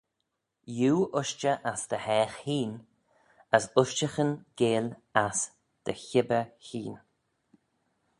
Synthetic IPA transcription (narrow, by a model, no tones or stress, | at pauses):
juːʔʊʃt͡ʃəʔasd̪̥əhɛːxhiːn | əsʊʃt͡ʃəxənɡ̥eːlas | d̪̥əçɪbəɹçiːn